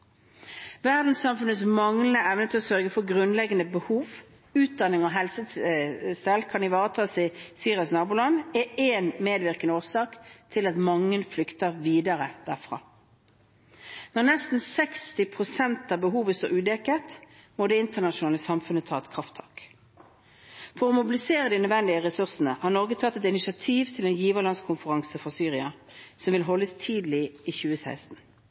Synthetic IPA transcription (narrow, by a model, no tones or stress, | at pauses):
ʋæʁd̪n̩sɑmfʉnət̪smɑŋlənəɛʋnət̪ʰɪlɔsœʁɡəfɔʁɡʁʉnlɛɡənəbəhuːʋ | ʉːt̪̚d̪ɑnːɪŋɔɦɛlsə | st̪ɛlkʰɑnɪʋɑːʁət̪ʰɑːsɪsyːʁɪɑsnɑːbuːlɑnɛeːnmeːd̪ʋɪʁkənəoːʁsɑːkt̪ʰɪlɑt̪mɑŋːənflʏkt̪əʁʋiːd̪ɑʁəd̪̥æːʁfʁɑ̰ː | nɔʁnɛst̪n̩sɛkst̪ɪpʰʁʊsɛnt̪ɑːbəɦuːʋəst̪o̰ːɾʉːd̪ɛkət̪moːd̪ɛːɪnt̪əʁnɑʃʊnɑːləsɑmfʉnət̪ʰɑːɛt̪kʰʁɑft̪ʰɑ̰ːk | fɔʁɔmʊbɪlɪseːʁəd̪ɪnœd̪ʋɛnd̪ɪəʁɛsʉʁsənəhɑʁnɔʁɡət̪ʰɑt̪ːɛt̪ɪnɪʃɑt̪ʰiːʋt̪ʰɪlɛnjiːʋəʁlɑnskʰʊmfəʁɑŋsəfɾɑsyːʁɪɑ | sɔmʋɪlɦɔlːəst̪ʰiːd̪liiːçʉːəsæ̰ɪst̪n̩